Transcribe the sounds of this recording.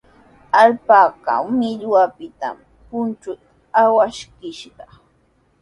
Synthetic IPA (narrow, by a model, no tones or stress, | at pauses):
alpaːka̰wmɪʎwapɪt̪a̰m | pʊnt͡ʃʊt̪ | awaʃkɪʃɢɑ